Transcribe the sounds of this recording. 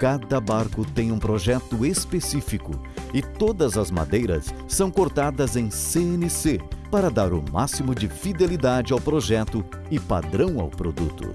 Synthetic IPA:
kad̪ɐbaɾkʊt̪ẽj̃ũpɾoʒɛt̪ʊespesifikʊɪt̪od̪ɐzɐzma̰d̪ejɾɐ̰sːɐ̃w̃koɾt̪ad̪ɐzẽj̃seẽnɪsepaɾɐd̪aɾʊma̰simʊd͡ʒɪfid̪elid̪ad͡ʒɪawpɾoʒɛt̪ʊ | ɪpa̰d̪ɾɐ̃w̃a̰wpɾod̪ṵt̪ʊ̰

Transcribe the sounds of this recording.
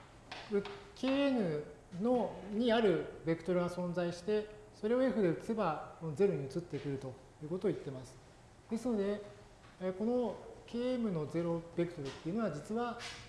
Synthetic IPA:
ɯ̟kʰʲe̞ːemɯ̟ | no̞ɲ̟iaɾɯ̟be̞kɯ̟t̪o̞ɾɯ̟ɡasõ̞nd͡zaiɕi̥t̪e̞ | so̞ɾe̞o̞eɸɯ̟d̪eɯt͡sɨ̥e̞bako̞no̞ze̞ɾo̞ɲ̟iɯ̟t͡sɨt̪ːekɯ̟ɾɯ̟t̪o̞ | jɯ̟ːko̞t̪oːit̪ːe̞masɨ̥ | d̪̥e̞sɨno̞d̪e̞ | ko̞no̞kʲe̞ːemɯ̟no̞ze̞ɾo̞be̞kɯ̟t̪o̞ɾɯ̟t̪ːe̞iɯ̟no̞βad͡ʑit͡sɨβa

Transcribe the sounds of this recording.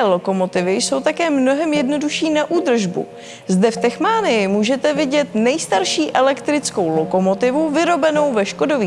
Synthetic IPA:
lo̞ko̞mo̞t̪ɪvɪjso̞wt̪akɛːmno̞ɦɛmjɛdno̞duʃiːnaʔuːd̪r̩ʒbṵ | zdɛft̪ɛxmaːnɪjɪmuːʒɛt̪ɛvɪɟɛt̪nɛjst̪aɾʃiːʔɛlɛkt̪ɾɪt͡sko̞wlo̞ko̞mo̞t̪ɪvuvɪɾo̞bɛno̞wvɛʃko̞do̞viː

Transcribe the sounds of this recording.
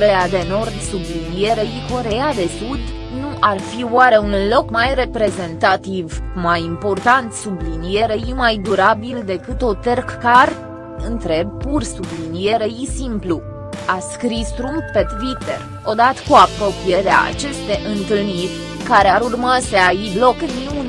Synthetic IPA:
oɾejad̪e̞no̞rd̪sublinije̞ɾejiko̞ɾe̞jad̪e̞sud̪ | nuʔarfioaɾe̞unlo̞kmajre̞pɾe̞ze̞nt̪at̪ivmajimpo̞rt̪ant̪sublinije̞ɾəjimajd̪uɾabild̪e̞kɨt̪o̞t̪erkkar | ɨnt̪ɾe̞b̚pursublinijeɾejisimplu | askɾist̪ɾumpet̪it̪ḛr | o̞d̪at̪ə̥kuapɾo̞pije̞ɾea̰a̰t͡ʃe̞st̪e̞ʔɨnt̪ɨlnirʲ | kaɾeaɾurmase̞aiblo̞kniun

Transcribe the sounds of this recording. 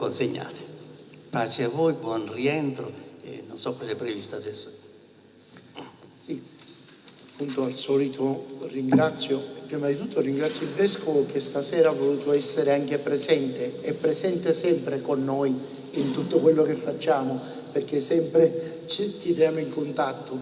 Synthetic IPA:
konseɲːa̰ːt̪ɪ̥pat͡ʃeavːɔjbwɔnriɛnt̪ɾo̰ḛnːonsɔkːɔsɛpːɾevist̪ad̪ɛsːo̥ | si | pːunt̪oalsɔlit̪ʰoriŋɡɾat̪sːjopːɾiːmad̪it̪ut̪ːoriŋɡɾat̪sjoilvɛskovok̟est̪asɛːɾavːoluːt̪oɛsːeɾeaŋk̟epɾezɛnt̪eɛpːɾezɛnt̪esɛmpɾekonːoj | int̪ut̪ːokwelːok̟efːat͡ʃːaːmo | perk̟esɛmpɾe | t͡ʃest̪iɾjaːmoiŋkont̪at̪ʰːo

